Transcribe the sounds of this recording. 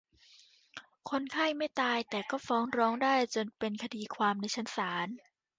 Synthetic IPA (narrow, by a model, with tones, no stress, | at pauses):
kʰo˧nkʰa˥˩jma˥˩jt̪aː˧jt̪ɛː˨˩kɔː˥˩fɔː˦˥ŋɾɔː˦˥ŋdaː˥˩jt͡ɕo˧npe˧nkʰa˧diː˧kʰwaː˧mna˧jt͡ɕʰa˦˥nsaː˩˦n